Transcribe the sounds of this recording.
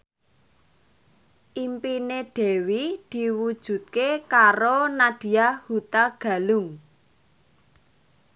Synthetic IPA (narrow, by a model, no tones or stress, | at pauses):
ʔimpineɖ̥e̤wid̪̥i̤wud̥ʒ̥ṳt̪̚kekaɾonaɖ̥i̤ahut̪aɡ̥a̤lʊŋ